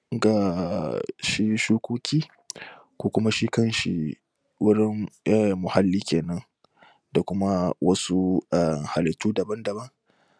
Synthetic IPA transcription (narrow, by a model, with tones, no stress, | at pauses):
ɡa˨ | ʃi˦ʃuː˦kʷoː˦kʲiː˦ | kʷuː˦kʷʊ˦ma˦ʃi˦kɐ˦nʃḭ˨ | wʊ˦ɾɪ˦ŋa˦˨mʊ˨ha˦lːiː˦kʲeː˨nɐ˦n | da˨kʷʊ˦ma˦wɐ˦su˦ʔa˨ha˨lɪ˨tuː˦dɐ˨bɐ˦ndɐ˨bɐ˦ŋ